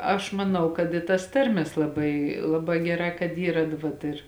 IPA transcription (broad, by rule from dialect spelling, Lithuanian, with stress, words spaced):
ɐʃ mɐˈnɐʊ kɐt ɪ tɐs ˈtɐrʲmʲeːs lˠɐˈbɐɪ ˈlˠɑːˌbɑː ˈɡʲæːˌrɑː kɐt ˈiːrɐ t ˈʋɐt ɪr